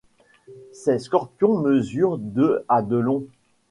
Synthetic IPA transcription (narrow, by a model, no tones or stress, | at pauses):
seskɔʁpjɔ̃məzyʁd̪øad̪əlɔ̃